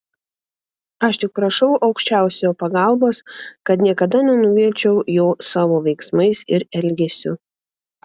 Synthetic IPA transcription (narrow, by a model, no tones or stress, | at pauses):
ɐʃt̪ʲɪk̚pɾɐʃɐʊʔɐʊkʃʲt͡ʃʲæˑʊsʲooːpɐɡɐˑlˠboːskɐt̪nʲiɛkɐd̪ɐnʲɛnʊʋʲiɛlʲt͡ʃʲɛʊjoːsɑːʋoːʋʲɛɪksmɐɪsɪɾɛlʲɡʲɛsʲʊ